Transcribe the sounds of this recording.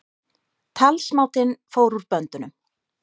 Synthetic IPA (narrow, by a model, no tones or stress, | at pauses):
t̪ʰalsmaːwt̪ɪnfoːwɾuɾpœnt̪ʏnʏm